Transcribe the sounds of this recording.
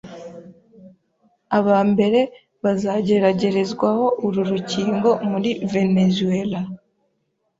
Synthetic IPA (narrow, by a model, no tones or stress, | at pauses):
aβaːmbe̞ɾe̞ | βazaːɟe̞ɾaɟe̞ɾe̞zɡwaho̞ʔuɾuɾuciːŋɡo̞muɾive̞ne̞zuela